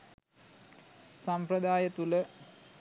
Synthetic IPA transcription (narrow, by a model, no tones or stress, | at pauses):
sampɾəd̪aːjət̪ulə